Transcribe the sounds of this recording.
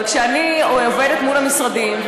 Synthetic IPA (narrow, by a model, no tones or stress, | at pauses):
t̪ʃeanioove̞det̪mulamisʁad̪im